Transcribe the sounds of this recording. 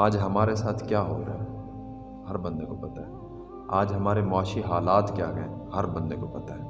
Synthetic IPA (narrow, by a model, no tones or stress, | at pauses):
aːd͡ʒɦɐmaːɾesaːt̪ʰkjaːɦo̰ːɾɐ̰ɦɛ | hɐɾbɐ̃nd̪ekopɐt̪aɦɛ | aːd͡ʒɦɐmaːɾemɔːʃiɦaːlaːt̪kjaːkɛ̃hɐɾbɐ̃nd̪ekopɐt̪aɦɛː